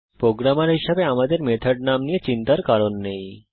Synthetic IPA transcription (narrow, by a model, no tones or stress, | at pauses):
pɾoɡɾamaɾɦiʃabeamad̪eɾmet̪ʰaɖ̚namnijet͡ɕint̪aɾkaɾonːej